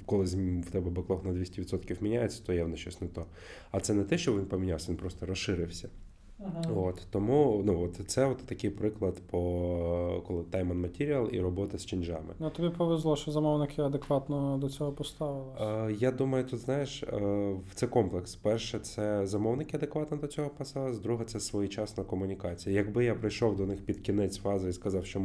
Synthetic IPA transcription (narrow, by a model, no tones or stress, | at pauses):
kɔlˠɪzʲwt̪ɛbɛbɪklˠɔxnɐd̪ʋʲisʲtʲiʋʲit̪sɔt̪kʲiwmʲinʲajet͡sʲːɐ̥t̪ɔjawnɛʃt͡ʃɔsʲnɛt̪ɔ | ɐt̪sɛnɛt̪ɛʃt͡ʃɔʋinpɔmʲinʲawsʲɐʋʲinpɾɔst̪ɔɾɔsʃɪɾɪwsʲɐ | ot̪ːɔmunuɔt̪t̪sɛɔt̪t̪ːɐkɪjpɾɪklˠɐd̪pɔ | kɔlˠɪt̪ajmɐnmɐtʲiɾʲiɐlˠḭɾɔbɔt̪ɐsʲt͡ʃɪnʲd͡ʒa̰mɪ̰nut̪ɔbʲipɔʋezlˠɔʃt͡ʃɔzɐmɔwnɪkʰɪɐd̪ekʋɑt̪nɔd̪ɔt͡sʲɔɦɔpɔst̪ɑʋɪlˠɪjad̪umɐjʊt̪ut̪znɑjeʃ | t̪sɛkɔmplˠɛkspɛrʃɛt̪sɛzɐmɔwnɪkʲɪɐd̪ekʋɑt̪nɔd̪ɔt͡sʲɔɦɔpɐst̪ɑlˠɪszd̪ɾuɦɛt̪sɛsʋɔjit͡ʃɑsnɔkɔmʊnʲɪkɑt͡sʲijɐjɐɡbɪjapɾɪjʃɔwd̪ɔnɪxpʲid̪kʲinɛt͡sʲfɑzɐiskɐzɑwʃt͡ʃɔ